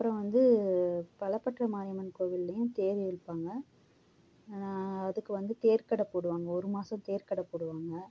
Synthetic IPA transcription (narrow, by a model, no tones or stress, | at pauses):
ɐpːɯɾɐ̃ʋɐnd̪ɯpɐɭɐpːɐʈrɐmaːɾɪjɐmɐnkoːʋɪlːɐjʊ̃t̪eːʋɪɪɽɯpːaːŋɡɐ | nãːɐðɯkːɯʋɐnd̪ɯt̪eːɾkɐɽɐpːoːɽɯʋaːŋɡɐɔɾɯmaːsɐ̃mt̪eːɾkɐɽɐpoːɽɯʋaːŋɡɐ